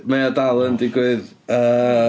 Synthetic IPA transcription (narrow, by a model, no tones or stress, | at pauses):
mɐ̃jɐt̪alˠɐ̃nt̪ikojðɐ